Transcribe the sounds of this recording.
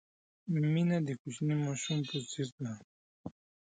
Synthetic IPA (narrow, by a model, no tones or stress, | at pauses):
minad̪ikut͡ɕnimoʃumposiɾt̪na